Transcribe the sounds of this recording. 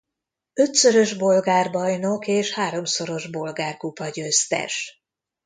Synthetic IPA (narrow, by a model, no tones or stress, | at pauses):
ø̞t̪søɾø̞ʒbo̞lɡaːrbɒjno̞keːʃhaːɾo̞mso̞ɾo̞ʒbo̞lɡaːrkupɒɟøːst̪ɛ̰ʃ